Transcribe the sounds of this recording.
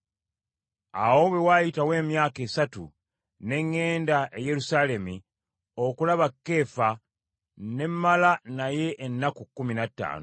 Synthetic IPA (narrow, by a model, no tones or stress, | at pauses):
a̰wo̞βwe̞wajitawe̞ːmjaːke̞ːsatu | ne̞ŋːe̞ːndaʔeje̞ɾusaːle̞mi | o̞kulaβakːe̞ːfa | ne̞mːalanaje̞ʔːnːakukːuminatːa̰ːnu